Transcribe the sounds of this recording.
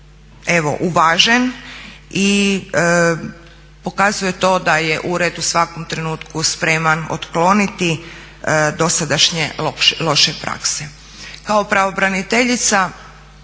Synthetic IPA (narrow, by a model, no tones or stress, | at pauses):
e̞ʋo̞̰ʔuʋaʒen | i | po̞kazuje̞t̪o̞ːd̪aje̞ʔuɾed̪usʋako̞mt̪ɾe̞nuːt̪kuspɾe̞mano̰t̪klo̞nit̪i | d̪o̞sad̪aʃɲeloʃlo̞ʃepɾa̰kse | kaopɾaʋobɾanit̪e̞ʎit̪sa